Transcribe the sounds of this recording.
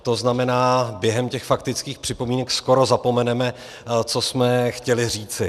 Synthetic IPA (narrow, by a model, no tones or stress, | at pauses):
t̪o̞znamɛnaːbjɛɦɛmcɛxfakt̪ɪt͡skiːxpr̥ɪpo̞miːnɛksko̞ɾo̞zapo̞mɛnɛmɛ | t͡so̞smɛxcɛlɪr̝iːt͡sɪ